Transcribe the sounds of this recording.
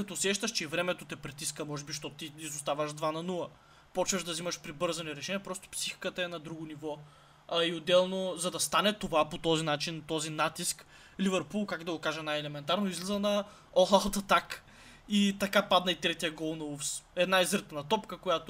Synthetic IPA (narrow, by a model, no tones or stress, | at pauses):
kɐt̪ɔsɛʃt̪ɐʃt͡ʃɛivɾɛmɛt̪ot̪ɛpɾit̪iskəmɔʒɛbiʃt̪ɔtt̪iizʊst̪avəʒd̪vanɐnulˠə | pɔt͡ʃvɐʒd̪ɐzimɐʃpɾibɤɾzɐnɛɾɛʃɛniɛpɾɔst̪o̥psixi̥kət̪ɐɛnɐd̪ɾuɡʊnivɔ | ɐiod̪ːɛlˠnozɐd̪ɐst̪anɛt̪ovapot̪ɔzinat͡ʃint̪ɔzinat̪isk | lʲivɛɾpulˠkakd̪ɐɡokaʒɐnajɛlɛmɛnt̪aɾnoizlɛzɐnɐ | ɔxalˠt̪ɐt̪ak | it̪ɐkapad̪nɐit̪ɾɛt̪ijɐɡɔlˠnɐufsɛd̪naizəɾt̪nɐt̪ɔpkəkojat̪o